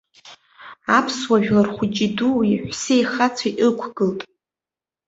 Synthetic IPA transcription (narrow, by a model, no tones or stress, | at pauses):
apʰswaʒᶣlarχʷʊd͡ʒʼiduiħʷsejχat͡sʰaiʔʼɨkʷʰɡɨltʼ